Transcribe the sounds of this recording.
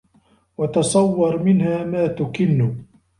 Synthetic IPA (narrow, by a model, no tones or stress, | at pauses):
wɑt̪ɑsˤɑwːɑɾˤmɪnhaːmaːt̪ʊkɪnːʊ